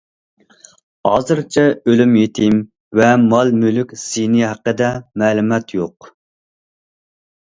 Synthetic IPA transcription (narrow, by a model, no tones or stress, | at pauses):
hɑ̰ːzɨɾt͡ʃʰɛølymjet̪ʰɪm | vɛmɑlˠmylykʲsiniɦæqːəd̪ɛmɛːlˠumɛt̪ʰjoq